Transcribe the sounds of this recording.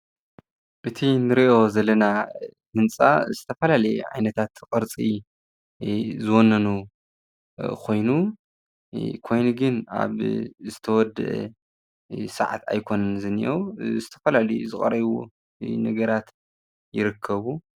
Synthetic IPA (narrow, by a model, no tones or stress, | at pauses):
ʔɨt̪ʰinɨɾiʔo̞zɐlːɐnahɨnt͡sʼa̰zɨt̪ʰɐfɐlalɐjʕa̰jnɐt̪ʰat̪qʼɨɾt͡sʼi | zɨwɔnːɐnu | kʰo̞jnu | kʰo̞jnuɡɨna̰βzɨt̪ʰɐwɔd̪ːɨ̰ʔ | sɐ̰ʕa̰t̪ʰa̰jkʰo̞nɐnzɨnḭʔozɨt̪ʰɐ̥fɐlalɐjuzɨχʼɐ̰ɾɐβṵ | nɐɡɐɾat̪ | jɪɾɨkʰːɐβu